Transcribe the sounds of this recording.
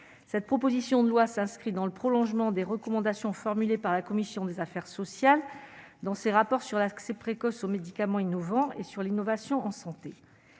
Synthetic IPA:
sɛt̪̚pχɔpozisjɔ̃d̪əlwasɛ̃skχid̪ɑ̃ləpχɔlɔ̃ʒmɑ̃d̪eʁəkɔmɑ̃d̪asjɔ̃fɔʁmylepaʁlakɔmisjɔ̃d̪ezafɛʁsɔsjal | d̪ɑ̃seʁapɔʁsyʁlaksɛpχekɔsomed̪ikamɑ̃inɔvɑ̃esyʁlinɔvasjɔ̃ɑ̃sɑ̃t̪e

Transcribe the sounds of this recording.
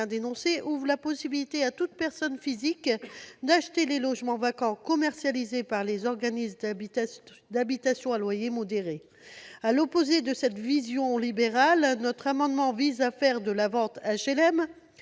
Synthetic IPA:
ɛ̃d̪enɔ̃seʔuvʁlapɔsibilit̪eat̪ut̪̚pɛʁsɔnfizikd̪aʃt̪elelɔʒmɑ̃vakɑ̃kɔmɛʁsjalizepaʁlezɔʁɡanismd̪ | d̪abit̪asjɔ̃alwajemɔd̪eʁe | alɔpozed̪əsɛt̪vizjɔ̃libeʁalnɔt̪χamɑ̃d̪mɑ̃vizafɛʁd̪əlavɑ̃t̪aʃelɛm

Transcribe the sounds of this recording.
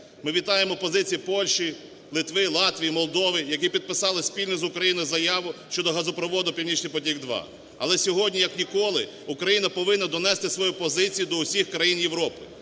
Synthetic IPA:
mɪʋʲit̪ɑjemɔpɔzɪt͡sʲijipɔlʲʃi | lˠɪt̪ʋɪlˠɑt̪ʋʲijimɔlˠd̪ɔʋɪjɐkipʲid̪̚pɪsɑlˠɪsʲpʲilʲnʊzʊkɾɐjinʊjzɐjɑʋʊʃt͡ʃɔd̪ɔɦɐzʊpɾɔʋɔd̪ʊpʲiwnʲit͡ʃnɪjpɔtʲiɡd̪ʋɑ̰ | ɐ̰lˠɛsʲɔɦɔdʲnʲijɐknʲikɔlˠɪ | ʊkɾɐjinɐpɔʋɪnːɐd̪ɔnɛst̪ɪsʋɔjupɔzɪt͡sʲijʊd̪ɔʊsʲixkɾɐjinjeʋɾɔpɪ

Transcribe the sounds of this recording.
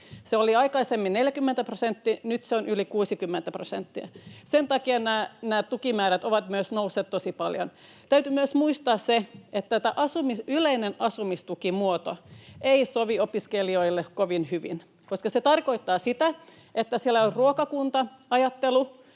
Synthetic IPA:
seoliɑikɑisemːinneljækymːent̪æprosent̪ːinyt̪seonylikuːsikymːent̪æprosent̪ːiæ̰sent̪ɑkiɑnæːnæːt̪t̪ukimæːɾæt̪oʋɑt̪myøsnousːeːt̪t̪osipɑljo̰n | t̪æyt̪ymyøsmuist̪ɑːsseʔet̪ːæt̪æʔɑsumisyleinenɑsumist̪ukimuot̪oeisoʋiopiskelioilːekoʋinhyʋḭn | koskɑset̪ɑrkoit̪ːɑːsit̪æ | ʔet̪ːæsielːæorruokɑkunt̪ɑɑjɑt̪ːelu

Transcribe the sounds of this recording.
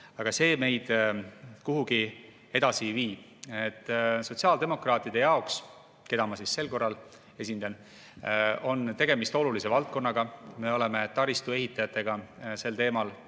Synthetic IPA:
ɑɡ̥ɑse̞ːme̞jd̪̥ | kuɦuɡ̥i | e̞d̪̥ɑsiviːb̥ | et̪ːˑso̞t̪ʲsiɑːld̪e̞mo̞krɑːt̪ːˑid̪̥e̞jɑoks | ke̞d̪̥ɑmɑsisse̞lko̞rːɑl | e̞sʲind̪ɑn | o̞nt̪e̞ɡ̥emist̪o̞lulise̞vɑlt̪̚ko̞nːɑɡɑme̞o̞le̞me̞t̪ɑɾist̪ue̞ɦit̪ːˑɑjɑt̪ːˑe̞ɡ̥ɑse̞lt̪e̞ːmɑl

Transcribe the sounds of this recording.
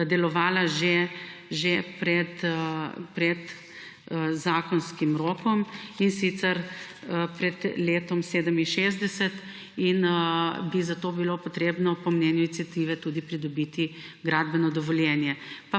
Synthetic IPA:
d̪ɛlɔʋaːlaʒeʒepɾɛt̪ | pɾɛt̪ | zaːkɔnskimɾoːkɔminsit̪sɛɾ | əpɾɛd̪leːt̪ɔmseːd̪əminʃeːzd̪ɛsɛt̪ | inəbizat̪oːbilopɔt̪ɾeːbnɔpɔmnɛːnjʊinit̪sijat̪iːʋɛt̪ud̪ipɾid̪ɔbit̪i | ɡɾad̪bɛnɔd̪ɔʋɔljɛnjɛpa

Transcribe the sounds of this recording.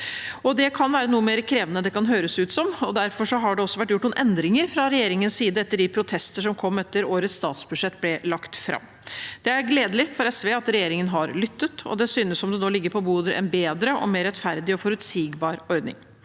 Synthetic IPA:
ɔd̪ɛkʰɑnʋæːɾənuːəmeːɾəkʰɾeːʋənəd̪ɛkɑnɦøːɾəsʉːt̪sɔmɔd̪æɾfɔʂɔɦɑɖɛɔsːɔʋæʈːjʊʈːɳnuːnʔɛnd̪ɾɪŋəɾfɾɑɾɛjeːɾɪŋənssiːd̪əɛt̪ːəɖɪpʰɾʊt̪ʰɛst̪əʂɔmkʰɔmːɛt̪ːəɾoːɾət̪st̪ɑ̰ːt̪sbʉd̪ʂɛt̪ːblɛlɑkt̪fɾɑ̰mː | d̪̥ɛæɾɡleːd̪əlɪfɔɾɛsʋeːɑt̪ɾɛjeːɾɪŋənɦɑɾlʏt̪ːət̪ʰɔ̰d̪ɛsyːnəsɔmd̪ɛnoːlɪɡːəɾpʰɔbuːd̪əɾʔɛ̰nbeːd̪ɾəʔɔ̰meːɾɛt̪fæɾd̪ɪɔfɔɾʉt̪siːɡbɑːɾɔɾd̪nɪ̰ŋ

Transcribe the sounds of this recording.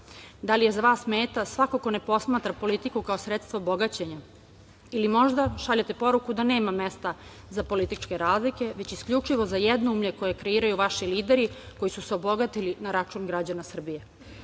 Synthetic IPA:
d̪alije̞zaʋaːsːmeːt̪asʋakoko̞ne̞po̞smaːt̪ɾapo̞lit̪ikukao̞sɾet̪st̪ʋaobo̞ɡat͡ɕeɲa | ilimo̞ʒd̪aʃaʎat̪e̞po̞ɾukud̪ane̞ːmame̞st̪a | zapo̞lit̪it͡ʃke̞ɾaːzlike̞ʋe̞t͡ɕiskʎut͡ʂiʋo̞zajɛd̪noumʎeko̞je̞kɾe̞iːɾajuʋaʃiliːd̪eɾi | kojisuseobo̞ɡat̪ilinaɾat͡ʃuːnɡɾad͡ʑanasr̩bije

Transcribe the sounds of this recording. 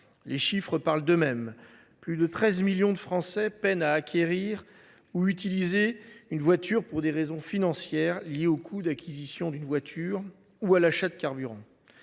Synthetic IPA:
leʃifχəpaʁld̪əmɛm | plyd̪ət̪χɛzmiljɔ̃d̪əfχɑ̃sɛpɛnaːkʲʰeʁiːʁ | uyt̪ilizeynvwat̪yʁpuʁd̪eʁezɔ̃finɑ̃sjɛʁljeokʰud̪akʲizisjɔ̃d̪ynvwat̪ʰyʁ | ualaʃad̪əkʲaʁbyʁɑ̃

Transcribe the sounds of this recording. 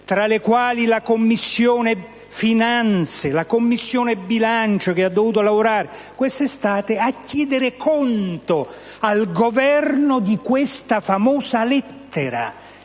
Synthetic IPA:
t̪ɾalekwaːlilakomːisːjoːne | finant̪selakomːisːjoːnebːilant͡ʃok̟ead̪ːovuːt̪olavoɾaːɾekwest̪est̪aːt̪eakːjɛːd̪ɪɾɪkʰɔnt̪o | alɡovɛrnod̪ikwɪst̪afamɔːsalɛt̪ːeɾa̰

